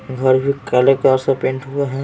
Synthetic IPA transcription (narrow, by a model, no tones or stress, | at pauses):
ɡʱɐɾbʱikalekaːɾsapẽːɳʈɦueɦɛ̃